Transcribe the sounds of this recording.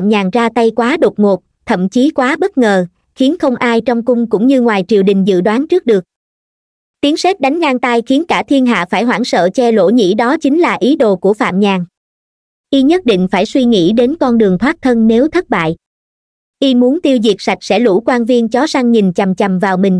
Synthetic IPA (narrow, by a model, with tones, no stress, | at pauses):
mɲaː˨˩ŋzaː˧t̪a˧jkwaː˨˦ɗo˨˩t̚ŋo˨˩t̚ | t̪ʰə̰˧˨mt͡ɕi˨˦kwaː˨˦ɓə˦˥t̚ŋəː˨˩ | xi˨˦ənxə˧wŋ͡mʔaː˧jt͡ɕɔ˧wŋ͡mkʊ˧ŋ͡mkʊ̰˧˥ŋ͡mɲɨ˧ŋwaː˨˩jt͡ɕḭ˧˨əwɗï˨˩ŋ̟zɨ̰˧˨ɗwaː˨˦nt͡ɕɨ˦˥k̚ɗɨ˨˩ək̚ | t̪i˨˦əŋse˦˥t̚ɗa˨˦jŋ̟ŋaː˧ŋt̪a˧jxi˨˦ənkaː˧˩t̪ʰi˧ənɦa̰ː˧˨faː˧˩jɦwa̰ː˧˩ŋsə̰ː˧˨t͡ɕɛ˧lo̰˧˥ɲḭ˧˥ɗɔ˨˦t͡ɕï˨˦ŋ̟laː˨˩ʔi˨˦ɗo̰˧˨ku˧˩əfa̰ː˧˨mɲaː˨˩ŋ | ʔi˧ɲə˦˥t̚ɗḭ̈˧˨ŋ̟faː˧˩jswi˧ŋḭ˧˥ɗe˨˦nkɔ˧nɗɨ˨˩əŋt̪ʰwaː˦˥t̚t̪ʰə˧nne˨˦wt̪ʰə˦˥t̚ɓa̰ː˧˨j | ʔi˧mu˨˦ənt̪i˧əwzi˨˩ək̚sa˨˩jk̟̚sɛ̰˧˥lṵ˧˥kwaː˧nvi˧ənt͡ɕɔ˨˦sa˧ŋɲi˨˩nt͡ɕa˨˩mt͡ɕa˨˩mvaː˨˩wmï˨˩ŋ̟